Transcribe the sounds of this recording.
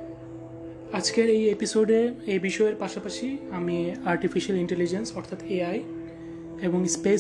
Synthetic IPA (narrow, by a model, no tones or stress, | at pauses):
ad͡ʑkeɾejepisoɖeɾebiʃɔeɾpaʃapaʃiamiaɾʈifiʃaliɳʈelid͡ʑensɔɾt̪ʰat̪eaj | eboŋspe